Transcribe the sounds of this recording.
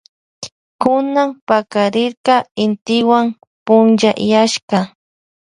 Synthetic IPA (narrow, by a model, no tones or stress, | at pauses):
kʊnampakaɾɪɾqɑɪnt̪ɪwaŋ | pʊnʒajaʃkɑ